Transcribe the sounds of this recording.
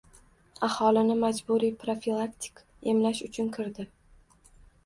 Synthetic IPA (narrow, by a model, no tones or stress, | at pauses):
ahɒlɪnɪmad͡ʒbuɾijpɾofilˠakt̪ʲʰɪ̥k | e̞mlaʃʊt͡ʃʰʊnkʰɪɾd̪ɪ